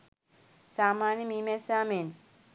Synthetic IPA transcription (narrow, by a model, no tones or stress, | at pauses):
saːmaːnimimesaːmen